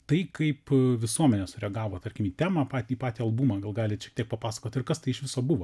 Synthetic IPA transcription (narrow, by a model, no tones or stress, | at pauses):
t̪ɐɪkɐɪpʋʲɪsuɔmʲɛnʲɛsʊɾʲɛɡɑːʋoːt̪ɐɾʲkʲɪmiːt̪ʲæːmɑpɑːt̪ʲiːpɑːt̪ʲiːɐlˠbuːmɑːɡɐlˠɡɑːlʲɪʃʲɛkt̪ʲiɛk̚pɐpɑːsɐ̥koːt̪ʲɪrkɐst̪ɐɪɪʃʋʲɪsoːbʊʋoː